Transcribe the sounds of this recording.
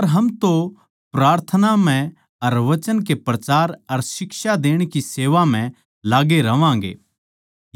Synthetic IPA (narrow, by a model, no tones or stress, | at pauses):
ɐɾɦɐmt̪o | pɾaːɾt̪ʰənam̤ɛ̃ | ɐɾʋɐt͡ʃənk̬epɾɐt͡ʃaːɾɐɾsɪkʃad̪eːɽ̃kiseːʋam̤ɛ̃ | laːɡeɾɐʋãːŋ̆ɡḛː